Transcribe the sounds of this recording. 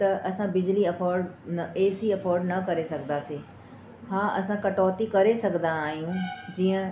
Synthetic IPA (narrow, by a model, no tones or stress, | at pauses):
t̪ɐʔɐsãbɪd͡ʑliɐfɔːɾɖnɐeːsiɐfɔːɾɖnɐkɐɾesɐɡʱənd̪aːseː | haːʔɐ̰sãkɐʈɔːt̪ikɐɾesɐɡʱə̃nd̪aaːɦijũd͡ʑiːə̃